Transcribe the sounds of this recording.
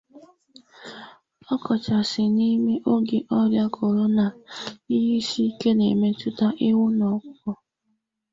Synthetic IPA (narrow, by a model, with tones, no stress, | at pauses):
ɔ˦kɔ˨t͡ʃa˨sɪ˨ni˦me˦ʔo˦ɡe˨ʔɔ˦ɾja˦kʰʊ˨ɾʊ˦na˨i˦ɦi˦si˦i˦ke˦ne˨me˦tʊ˦ta˦ʔɪ˦wʊ˦nɔ˨kʷʊ˦kɔ˨